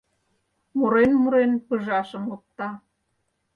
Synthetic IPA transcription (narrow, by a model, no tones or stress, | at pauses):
muɾenmuɾenpəʒɑʃə̆mop̚t̪ɑ